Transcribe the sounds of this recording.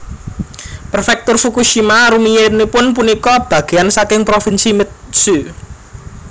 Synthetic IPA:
pərfɛk̚t̪ʊrfukuʃimaɾumijenipʊnpunikɔb̥ä̤ɡ̥e̤ansakɪŋpɾofinsimɪt̪̚su

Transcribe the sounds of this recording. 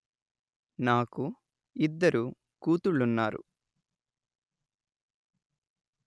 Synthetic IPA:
naːku | id̪ːɐɾʔu | kuːt̪uɭːunːaːɾṵ

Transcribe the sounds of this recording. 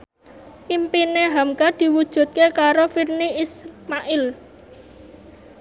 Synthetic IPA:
ʔimpineɦamkad̪̥i̤wud̥ʒ̥ṳt̪̚kekaɾofirniismaʔɪl

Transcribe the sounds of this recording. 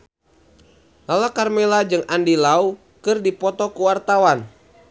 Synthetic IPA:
lalakarmɛlad͡ʒɨŋandilau | kɨrdipɔt̪ɔkuwart̪awan

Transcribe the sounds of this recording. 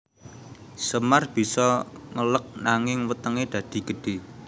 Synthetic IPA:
səmarb̥i̤sɔŋələk̚naŋɪŋwət̪əŋed̪̥ä̤d̪̥i̤ɡ̥ə̤ɖ̥e̤

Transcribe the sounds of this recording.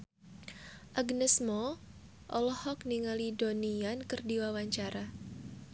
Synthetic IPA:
ʔaɡnɛsmɔ | ʔɔlɔhɔkniŋalidoniankɨrdiwawaɲt͡ʃaɾa

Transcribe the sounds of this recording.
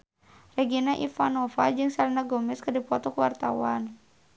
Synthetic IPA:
rɛɡinaʔifanɔfad͡ʒɨŋsalinaɡɔmɛskərdipɔt̪ɔkəwart̪a̰wan

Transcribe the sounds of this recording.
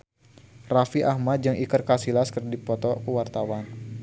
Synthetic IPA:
rafiʔahmat̪̚d͡ʒɨŋʔikərkasilaskərdipɔt̪ɔkəwart̪awan

